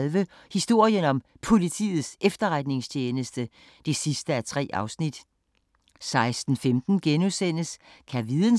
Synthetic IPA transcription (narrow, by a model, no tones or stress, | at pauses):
lʋə | hisd̥o̝ɐ̰jənɒ̽m | pʰo̝lit͡sʰḭːð̩ˠsʔefd̥ɐʁad̥ne̝ŋst͡ɕʰeːnəsd̥ə | d̥e̝sisd̥əæt͡sʰʁɛ̰ːʔɑ̈ʊsnid̥ | sɑ̈ɪsd̥n̩femd̥n̩ɡ̥enusen̰əskʰæʋiðˠn